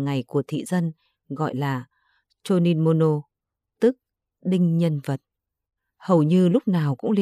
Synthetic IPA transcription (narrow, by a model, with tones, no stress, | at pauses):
ŋa˨˩jku˧˩ət̪ʰḭ˧˨zə˧n | ɣɔ̰˧˨jlaː˨˩ | t͡ɕo˧ni˧nmo˧no˧ | t̪ɨ˦˥k̚ | ɗï˧ŋ̟ɲə˧nvə˨˩t̚ | hə˨˩wɲɨ˧lʊ˦˥k͡p̚naː˨˩wkʊ̰˧˥ŋ͡mli˧